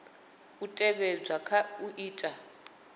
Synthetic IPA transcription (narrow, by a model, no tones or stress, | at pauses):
utʼɛβɛd͡zakʰauʔiːtʼa